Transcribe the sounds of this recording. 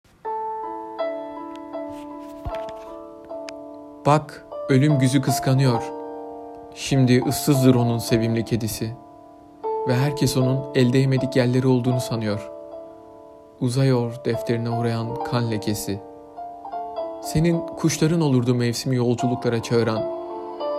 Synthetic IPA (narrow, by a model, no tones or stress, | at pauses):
b̥akø̞lʲymɟyzykʰɯskʰanɯjo̞ɾ̥ | ʃimd̪iʔɯsːɯzd̪ɯɾo̞nunse̞vimlʲicʰe̞d̪isi | vɛɦæɾcʰeso̞nunɛlʲd̪ejeme̞d̪icɟælʲːe̞ɾio̞lˠd̪uːnusanɯjo̞ɾ̥ | uzajo̞ɾd̪̥ɛft̪ʰe̞ɾinɛuɾajankʰanlʲɛcʰe̞si | se̞ninkʰuʃlˠaɾɯno̞lˠuɾd̪umɛvsimijo̞lˠd͡ʒulˠuklˠaɾat͡ʃʰaɯɾan